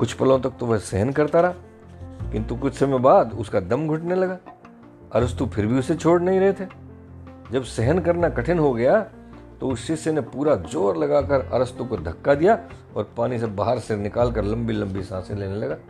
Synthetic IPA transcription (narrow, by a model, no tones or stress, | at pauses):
kʊt͡ʃʰpɐlõt̪ɐk̚t̪oʋɐsɛɦənkɐɾt̪aɾɐɦaː | kɪ̃nt̪ukʊt͡ʃʰsemẽbaːd̪ʊskad̪ɐmɡʱʊʈnelɐɡaː | ɐɾəst̪upʰɪɾbʱiʊset͡ʃʰoːɽnɐɦĩɾɐɦet̪ʰeː | d͡ʒɐbsɛɦənkɐɾnakɐʈʰɪnɦoɡɐja | t̪oʊsːɪsenepuːɾad͡ʒoːɾlɐɡaːkɐɾɐ̰ɾəst̪ukod̪ʱɐkːad̪ija | ɔ̰ːɾpaːnisebaːɦəɾsenɪkaːlkɐɾlɐ̃mbilɐ̃mbisãːseleːnelɐɡaː